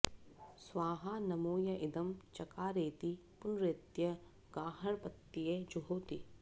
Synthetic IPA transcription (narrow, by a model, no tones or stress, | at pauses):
swaːɦanɐmoːjɐʔɪd̪ɐmt͡ʃɐkaːɾeːt̪ipʊnɾet̪jɐ | ɡaːɦɐɾpɐt̪ːijed͡ʒuɦoːt̪i